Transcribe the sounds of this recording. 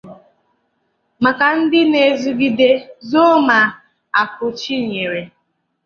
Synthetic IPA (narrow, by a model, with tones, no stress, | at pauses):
ma˨ka˨n̩˦dɪ˦ne˨zu˦ɡi˦de˦zo˦ma˨ | a˨kʊ˨t͡ʃi˦˨ɲe˨ɾe˨